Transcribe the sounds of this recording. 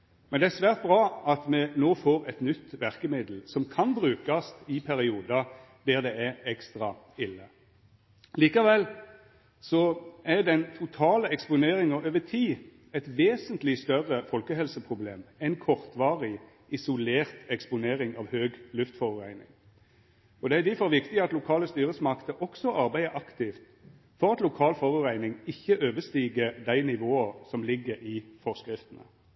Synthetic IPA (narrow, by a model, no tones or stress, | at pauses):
mɛnd̪ɛæsʋæːʁt̪̚bʁɑːɑt̪mɛnoːfoːʁɛt̪nʏt̪ːʋæʁkəmɪd̪l̩sɔmkʰɑnbʁʉːkɑst̪ɪpʰæɾɪuːd̪ɑ | d̪æʁd̪ɛæɾɛkst̪ʁɑ | ɪlːə | liːkɑʋɛlː | sɔʔæd̪ɛnt̪ʰʊt̪ʰɑːləɛkspʊneːɾɪŋɑøːʋət̪ʰiː | ɛt̪ʋeːsənt̪lɪst̪œʁəfɔlkəhɛlsəpʰʁʊblḛːmɛɪnkʰɔʁt̪ʋɑːʁɪ | ʔɪsʊleːʁt̪ɛkspʊneːɾɪŋɑʋhøːɡlʉft̪fɔʁʉʁæɪnɪ̰ŋ | ɔd̪ɛæɾɪd̪æfɔɾʋɪkt̪ɪɑt̪lʊkʰɑːləst̪yːɾəsmɑkt̪əʔɔksɔʔɑɾbæɪəʔɑkt̪ɪft̪ | fɔʁɑt̪lʊkʰɑːlfɔʁʉʁæɪnɪŋɪçːəʔøːʋəst̪iːɡəd̪æɪnɪʋoːəsɔmlɪɡːəɾɪfɔʁskʁɪft̪ənə̰